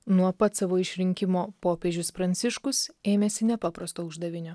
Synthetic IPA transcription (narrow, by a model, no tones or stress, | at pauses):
nuɔpɐt̪sɑʋoːɪʃʲɾʲɪŋʲkʲɪmoːpoːpʲeːʒʲʊspɾɐnʲt̪sʲɪʃkʊseːmʲeːsʲɪnʲɛpɑːpɾɐst̪oːʊʒd̪ɐʋʲɪnʲʊ